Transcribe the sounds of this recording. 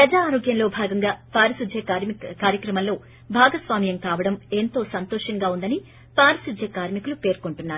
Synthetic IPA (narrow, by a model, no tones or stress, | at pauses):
pɾɐd͡ʒaːɾo̞ːɡjɐnlo̞ːbʱaːɡɐŋɡaːpaːɾɐsud͡ʒʱɐkaːɾjɐkɾɐmɐllo̞ː | bʱaːɡɐsʋaːmijɐmkaːʋɐɽɐmeːnt̪o̞ːsɐnt̪ɔːʂɐŋɡaːund̪ɐni | paːɾɐsud͡ʒ̪ʱjɐkaːɾmikulupe̞ːɾkoɳʈunːaːɾuu